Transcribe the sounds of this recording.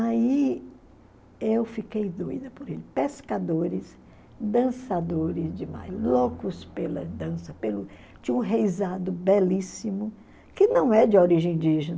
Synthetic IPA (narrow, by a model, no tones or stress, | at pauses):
ai | ewfikejd̪ojd̪ɐpoɾelɪpeskad̪oɾɪs | d̪ɐ̃sad̪oɾɪzd͡ʒɪma̰jlokʊspelɐ̰d̪ɐ̃sɐpelʊ | t͡ʃiwɦejzad̪ʊbɛlisimʊ | kɪnɐ̃w̃ɛd͡ʒɪoɾiʒẽĩj̃nd͡ʒiʒenɐ